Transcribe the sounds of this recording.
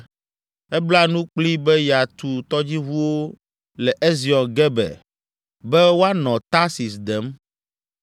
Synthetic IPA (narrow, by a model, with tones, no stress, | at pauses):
ɛ˦bla˦nũ˦k͡pli˦bɛ˦ja˨t̪u˨t̪ɔ˦d͡ʑi˦ɦu˦wo˦ | lɛ˨ʔe˦zi˨ɔ̃˨nɡɛ˦bɛ̰˨ | bɛ˦wo˦a˦nɔ̃˨t̪a˦si˨sd̪ɛ˨˦m